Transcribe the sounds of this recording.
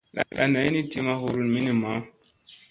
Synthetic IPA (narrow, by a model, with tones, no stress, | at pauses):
la̰˨lʔa̰˨na˨˦i˦ni˦ti˦ma˦ɦu˦˨ɾu˦nmi˦ni˨ma˦